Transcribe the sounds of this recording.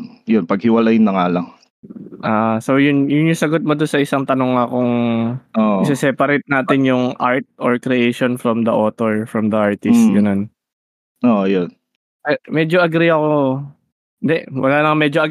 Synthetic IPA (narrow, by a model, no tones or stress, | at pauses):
jonpɐɡ̚hɪwɐlajnɐŋaːlɐŋ | ʔaːʔsojʊnjʊnɲʊsɐɡot̪̚mod̪onsɐɪsaŋt̪ɐnoŋɐkoŋʔoʔɐsɛsɛpɐɾɪt̪̚naːt̪ɪnjʊŋʔaɹt̪̚ʔoɹkɾɛʔejʃonfɹɐmd̪ɐʔoːt̪oɹfɹɐmd̪ɐʔaɹt̪ɪst̪̚ɡɐnon | ʔoːʔojon | pɛmɛd͡ʒoʔɐɡɾiɐko | ɪnd̪ɛʔwɐ̰laːnɐŋmɛd͡ʒoʔɐ